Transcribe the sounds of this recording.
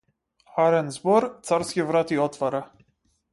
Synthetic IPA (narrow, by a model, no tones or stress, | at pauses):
xaɾɛnzbɔɾt̪saɾskʲɛvɾat̪iɔt̪faɾa